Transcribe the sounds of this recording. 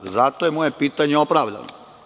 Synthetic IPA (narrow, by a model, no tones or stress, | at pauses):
zat̪ojemojepiːt̪aɲeopɾaʋʎa̰no̰